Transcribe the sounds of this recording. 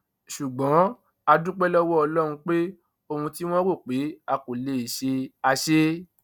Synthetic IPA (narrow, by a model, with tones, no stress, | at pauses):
ʃu˨ɡ͡bɔ̃˨˦ | a˧dũ˦k͡pɛ˦lɔ˦wɔ˦ɔ˧lɔ˦ɾ̃ũ˧k͡pe˦ | o˧hũ˧ti˦w̃ɔ̃˦wo˦˨k͡pe˨˦a˧ko˨le˨i˨ʃe˧a˧ʃe˦